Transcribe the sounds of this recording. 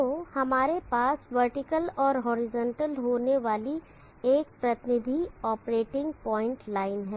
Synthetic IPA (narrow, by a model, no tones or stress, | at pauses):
t̪oːhɐmaːɾepaːsʋəɾʈɪkəlɔːɾɦɔːɾɪzɔ̃ːɳʈəlɦoːneʋaːli | eːk̚pɾɐt̪ɪnɪd̪ʱiɔːpɾeːʈɪ̃ŋɡ̚pɔːɪ̃ɳʈlaːɪnɦɛː